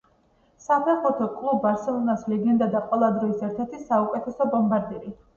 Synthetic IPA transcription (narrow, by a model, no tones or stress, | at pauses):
sapʰɛχɔt̪ʰɔkʼlˠubaɾsɛlˠɔnaslɛɡɛnd̪ad̪aqʼwɛlˠad̪ɾɔisɛɾt̪ʰɛɾt̪ʰisaukʼɛt̪ʰɛsɔbɔmbaɾd̪iɾi